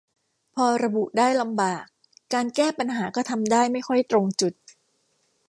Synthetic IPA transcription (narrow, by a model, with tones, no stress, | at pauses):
pʰɔː˧ɾa˧bu˨˩ʔdaː˥˩jla˧mbaː˨˩kː | aː˧nkɛː˥˩pa˧nɦaː˩˦kɔː˥˩t̪ʰa˧mdaː˥˩jma˥˩jxʰɔ˥˩jt̪ɾo˧ŋt͡ɕu˨˩t̪̚